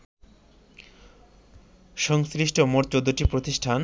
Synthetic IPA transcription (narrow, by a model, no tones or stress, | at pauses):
ʃɔŋsɾiʃʈʰomoʈt͡ɕod̪ːoʈipɾot̪iʃʈʰan